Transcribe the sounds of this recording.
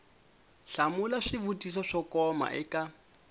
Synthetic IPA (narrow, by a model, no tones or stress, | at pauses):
ɬamulaʂivutis̬ɔʂɔkɔma̰ʔɛkʼa